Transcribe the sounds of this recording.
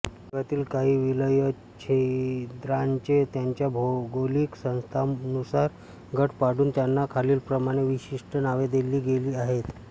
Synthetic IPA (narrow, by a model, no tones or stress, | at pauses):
ɡat̪iːlkaɦiːʋiləjə | t͡ɕʰed̪ɾaɲt͡ɕet̪jaɲt͡ɕjabʱoɡoliksə̃w̃st̪ʰanusaɾ | ɡʱəʈpaɽuːnt̪janːakʰaliːlpɾəmaɽ̃eʋiɕiʂʈʰənaʋed̪eliːɡeliːaɦet̪